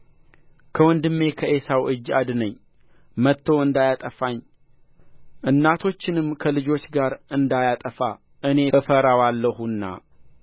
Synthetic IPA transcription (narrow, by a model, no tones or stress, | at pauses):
kʰəwɔnd̪ɨmːe̞kʰəʔesawʔɨd͡ʒa̰d̪nəɲː | mət̪ʰːo̞ɨnd̪ajat̪ʼəfaɲː | ʔɨnːat̪ʰo̞t͡ʃːɪnɨmkʰəlɨd͡ʒo̞t͡ʃːɡaɾʔɨnd̪ajat̪ʼəfa | ʔɨne̞əfəɾawalːəhunːa̰